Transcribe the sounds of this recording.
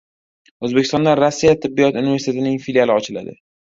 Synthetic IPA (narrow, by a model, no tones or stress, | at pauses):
ɵzbekʲɪst̪ɒ̃nd̪aɾasːijat̪ʰːɪbːijɒt̪univʲe̞ɾsit̪e̞t̪ʰɪnɪŋfiljalɪɒt͡ʃʰɪla̰d̪ɪ̰